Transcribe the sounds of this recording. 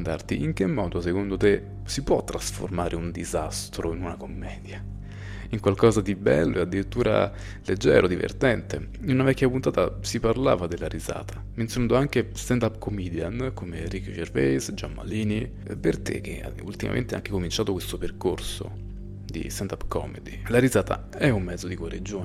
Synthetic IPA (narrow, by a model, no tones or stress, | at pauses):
nd̪a̰rt̪iʔiŋk̟emːɔːd̪osekond̪ot̪e | sipwɔt̪ːɾasfo̰rmaːɾʔeund̪izast̪ɾoinunakomːɛːd̪ja | iŋkwalkɔzad̪ibɛ̰lːoead̪ːiɾit̪ːuːɾʔa̰ | led͡ʒːɛ̰ːɾʔod̪ivḛrt̪ɛnt̪e | inunavɛkːjapunt̪aːt̪asiparla̰ːvad̪elːaɾiza̰ːt̪ʰḁ | ment̪sjonanːd̪oaŋk̟est̪and̪apːkomid̪jankomerikʃervɛjsd͡ʒamːa̰liːni | pert̪ḛk̟ːea̰ṵlt̪ima̰mḛnt̪eɛa̰ŋk̟ekomint͡ʃaːt̪okwest̪operkorso̰ | d̪ḭst̪and̪apːkɔ̰mḛd̪ilaɾizaːt̪ʰa̰ | ɛumːɛd̪zod̪ikaɾid͡ʒːoːn